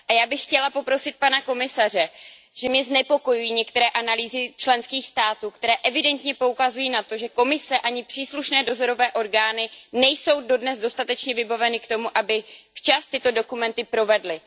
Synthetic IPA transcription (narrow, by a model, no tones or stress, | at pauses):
ʔajaːbɪxːcɛlapo̞pɾo̞sɪt̪̚panako̞mɪsar̝ɛ | ʒ̥ɛmɲɛznɛpo̞ko̞jujiːɲɛk̚t̪ɛɾɛːʔanaliːzɪt͡ʃlɛnskiːxst̪aːt̪uːkt̪ɛɾɛːʔɛvɪdɛnt̪ɲɛpo̞ukazujiːnat̪o̞ʒɛko̞mɪsɛʔaɲɪpr̥iːsluʃnɛːdo̞zo̞ɾo̞vɛːʔo̞ɾɡaːnɪnɛjso̞wdo̞dnɛzdo̞st̪at̪ɛt͡ʃɲɛvɪbavɛnɪkt̪o̞muʔabɪft͡ʃast̪ɪt̪o̞do̞kumɛnt̪ɪpɾo̞vɛdlɪ